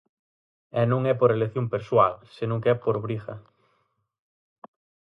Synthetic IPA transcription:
ɛnũŋɛpoɾeleθjõmpeɾswalsenõŋkɛpoɾβɾixa̰

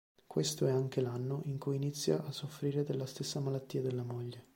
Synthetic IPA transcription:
kwest̪oɛaŋk̟elanːoʔiŋkujinit̪sːja̰ʔːsːofɾiːɾed̪elːast̪esːamalat̪ːiːad̪elːamoʎːe

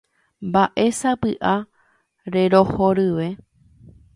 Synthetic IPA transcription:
mbaʔe̞sapɨʔa | ɾe̞ɾo̞hoɾɨʋe̞

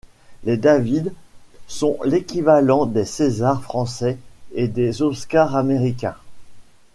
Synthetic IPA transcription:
led̪avid̪sɔ̃lekʲivalɑ̃d̪esezaʁfχɑ̃sɛed̪ezɔskaʁameʁikʲɛ̰̃

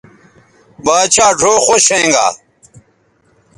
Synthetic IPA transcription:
baːt͡ɕʰaːʈ͡ʂʰoːxoɕẽŋɡa̰ː

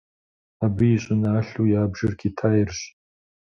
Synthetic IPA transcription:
abɨiɕʼʊnaːɬujaːbʒɨrɡʰʲitʰaːjɪrɕʷ

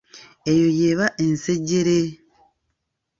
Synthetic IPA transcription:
e̞jo̞jeːβaʔenseɟːeɾe

